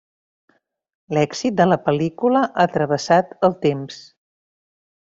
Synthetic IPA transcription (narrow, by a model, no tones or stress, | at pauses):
lɛkzit̪̚d̪ələpəlikuləʔat̪ɾəβ̞əsat̪əlˠt̪ems